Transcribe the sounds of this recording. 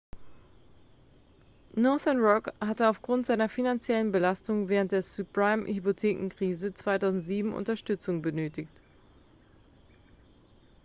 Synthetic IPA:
nɔɐθənʁɔkhatəaʊfɡ̥ʁʊntz̥aɪnɐfinant͡sjɛlənbəlastʊŋvɛːʁ̞ənt̚d̥eːɐsupʁ̥aɪmhypotʰeːkŋ̩kʁ̥iːzət͡sv̥aɪtaʊzn̩tz̥iːbm̩ʔʊ̰ntɐʃtʏt͡sʊŋbənøːtɪçt

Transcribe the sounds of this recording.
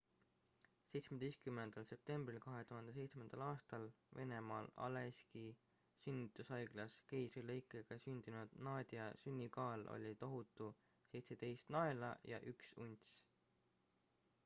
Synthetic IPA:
se̞jt̪smed̪e̞jst̪kymːe̞nd̪̥ɑlse̞p̚t̪e̞mbrilkɑɦe̞t̪uhɑnd̪ese̞jt̪sme̞nd̪̥ɑlɑːst̪ɑl | ve̞ne̞mɑːlɑ̰leski | synʲːit̪ːˑusɑjɡ̥lɑskejsileikːˑeɡ̥ɑsynd̪̥inud̪̥nɑːd̪̥ʲiɑsynʲːikɑːlo̰lʲit̪o̞ɦut̪ːˑu | se̞jt̪se̞d̪̥e̞jst̪nɑe̞lɑjɑ̰ʔyksunʲt̪sʲ

